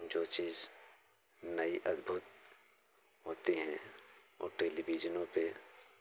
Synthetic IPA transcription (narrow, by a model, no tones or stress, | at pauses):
d͡ʒoːt͡ʃiːz | nɐiʔɐd̪bʱʊt̪̚ | ɦoːt̪eɦɛ̃ɔ̰ːʈeːlibid͡ʒənõpe